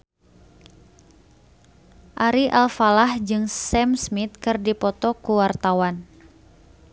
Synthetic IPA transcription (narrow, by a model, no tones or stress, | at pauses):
ʔaɾiʔalfalahd͡ʒɨŋsɛmsmit̪̚kɨrdipɔt̪ɔkuwart̪awan